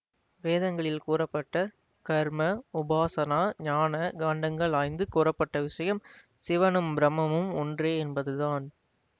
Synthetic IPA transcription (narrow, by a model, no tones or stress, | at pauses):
ʋeːðɐŋɡɐɭɪlkuːɾɐpːɐʈːɐ | kɐɾmɐʊbaːsɐnaːɲaːnɐɡaːɳɖɐŋɡɐɭaːjnd̪ɯkuːɾɐpːɐʈːɐʋɪʂɐjɐm | sɪʋɐnɯmbɾɐmɐmɯmɔndreːɛnbɐðɯðaːn